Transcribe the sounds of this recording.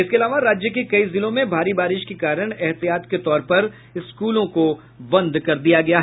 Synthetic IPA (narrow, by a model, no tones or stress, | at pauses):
ɪskeɐlaːʋaɾaːd͡ʒjək̬ekɐizɪlõmẽbʱaːɾibaːɾɪʃkekaːɾəɽ̃ɛɦt̪ijaːt̪ket̪ɔːɾpɐɾ | ɪskuːlõko | bɐ̃nd̪ʱkɐɾd̪ijaɡɐjaɦ